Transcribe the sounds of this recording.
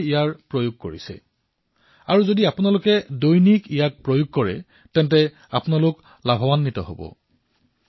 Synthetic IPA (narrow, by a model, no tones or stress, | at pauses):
ijaɹpɹojuɡ̚koɹisɛ̰ | aɹuzodiapʊnalʊkɛdojnikijak̚pɹojuɡ̚kɔɹɛ̰ | tɛntɛ | apʊnalʊk | labʱɔbanːitɔ̰ɦo̰bɔ̰